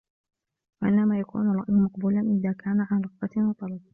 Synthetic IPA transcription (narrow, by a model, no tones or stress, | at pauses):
waʔɪ̰nːamaːjakṵːnalˤɾˤɑ̰ʔjmɑqbuːlanʔɪðaːkʰaːnaʕanɾˤɑɣbat̪wɑt̪ˤɑlɑb̚